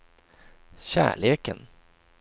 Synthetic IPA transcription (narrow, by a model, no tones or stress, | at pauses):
ɕæ̰ːɭeːkən